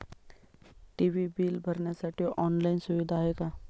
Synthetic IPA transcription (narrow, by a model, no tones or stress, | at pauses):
ʈiʋibiːlbʱəɾɳjasaʈʰioʔɔnlainsuʋid̪ʱaɦeka